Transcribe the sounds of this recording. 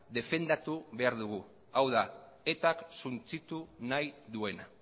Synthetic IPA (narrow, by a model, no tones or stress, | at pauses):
d̪e̞fe̞nd̪at̪uβe̞aɾðuɣ̞u | awða | e̞t̪aksunt͡sit̪unajðue̞na